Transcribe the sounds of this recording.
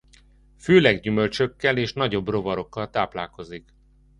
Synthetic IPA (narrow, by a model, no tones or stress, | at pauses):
føːlɛɡɟymø̞lt͡ʃø̞kːɛleːʃnɒɟo̞bro̞vɒɾo̞kːɒlt̪aːplaːlko̞zik